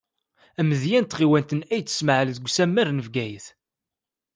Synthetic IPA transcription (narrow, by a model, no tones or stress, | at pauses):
æməðjænt̪ʁiwænt̪ənæjt͡sːə̥sməʕəlðɡʷsæmːæɾnəvɡæjəθ